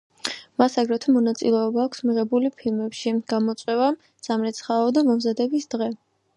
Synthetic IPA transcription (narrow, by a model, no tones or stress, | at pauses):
masaɡɾɛt̪ʰɔmɔnat̪sʼḭlɛɔbaːkʷʰsmiʁɛbulipʰilˠmɛpʃiɡ̥amɔt̪sʼwɛva | d̪z̥amɾɛt̪sʰχaɔd̪amɔmzad̪ɛbisd̪̥ʁɛ